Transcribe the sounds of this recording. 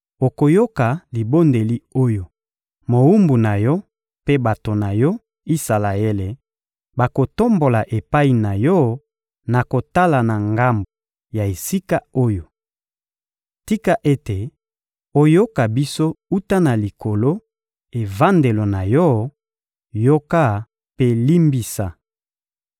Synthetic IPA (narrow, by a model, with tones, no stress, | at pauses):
o˨ko˨jo˦ka˨li˨bo˦nde˨li˦o˦jo˨ | mo˨u˦mbu˨na˨jɔ˦ | pe˦ba˨to˨na˨jɔ˦ | i˦sa˨la˨e˦le˨ | ba˨ko˨to˦mbo˨la˨ʔe˨pa˦i˨na˨jɔ˦ | na˨ko˨ta˦la˨na˨ŋɡa˦mbo˨ | ja˨e˨si˦ka˦o˦jo˨ | ti˦ka˦ʔe˦te˨ | o˦jo˦ka˨bi˦so˦u˦ta˦na˨li˨ko˨lo˦ | e˨va˦nde˨lo˨na˨jɔ˦ | jo˦ka˦˨ | pe˦li˦mbi˦sa˦